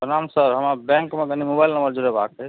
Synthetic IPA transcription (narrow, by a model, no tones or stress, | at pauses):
ɦənamsəɾɦəmabɛ̃ŋkmeɡənimobailnəmbəɾd͡ʒuɾeba̰kɛ